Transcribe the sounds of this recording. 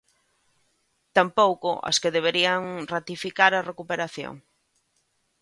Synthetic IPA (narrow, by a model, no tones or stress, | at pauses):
t̪ampowkʊ̰ʔa̰skeðeβ̞eɾiaŋrat̪ifikaɾɐrekupeɾaθjo̰ŋ